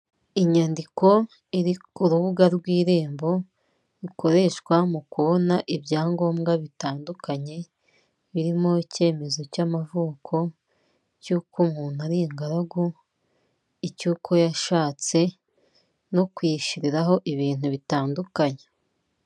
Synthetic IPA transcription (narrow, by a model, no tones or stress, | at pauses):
iɲandiko̞ | iɾiuɾuβuɡaɾɡwiːɾeːmbo̞ | iko̞ɾe̞ʃkwamukuβo̞naʔibɟaːŋɡo̞ːmɡaβitaːndukaɲe̞ | βiɾimo̞ice̞ːme̞zo̞camavuːkʰo̞ | cuːkumuːn̥uaɾiŋɡaɾaɡu | icuːkʰo̞jaʃaːt͡se̞ | no̞kwiːʃiɾiɾaɦo̞ʔiβiːn̥huβitaːndukaɲe